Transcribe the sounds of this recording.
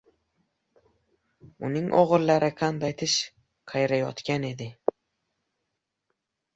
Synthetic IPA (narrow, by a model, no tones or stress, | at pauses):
ʊnɪŋʔɒʁɨɾlaɾɪqʰand̪ajt̪ʰɪʃ | qʰɑjɾajɒ̰t̪kʲane̞d̪ɪ